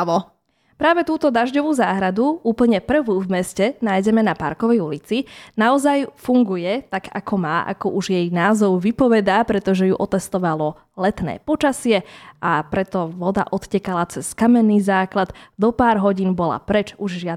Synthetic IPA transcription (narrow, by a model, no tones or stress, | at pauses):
ʋɔ | pɾaːʋɛt̪uːt̪ɔd̪aʒɟɔʋuːzaːɦɾad̪uuːpl̩ɲɛpr̩ʋuːvmɛscɛnaːjɟɛmɛnapa̰ɾkɔʋɛjulit͡sinaɔzajfuŋɡujɛt̪aɡa̰kʰɔmaːʔa̰kɔʔuʒjɛjnaːzɔʊʋipɔʋɛd̪aːpɾɛt̪ɔʒɛjuʔɔt̪ɛst̪ɔʋalɔ | lɛt̪nɛ̰ːpɔt͡ʃasɪɛʔapɾɛt̪ɔʋɔd̪a̰ʔɔt̪cɛkalat͡sɛskamɛnːiːzaːklad̪̥d̪ɔpaːɾɦɔɟiːnbɔla̰pɾɛt͡ʃuʒʒɪa